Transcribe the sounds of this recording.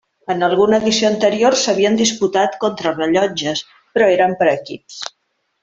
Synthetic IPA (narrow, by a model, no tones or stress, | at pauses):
ənəlˠɣunəːðisioənt̪əɾioɾsəβ̞iənd̪isput̪at̪kont̪ɾərəʎɔd͡ʒəs | pɾɔeɾəmpəɾəkips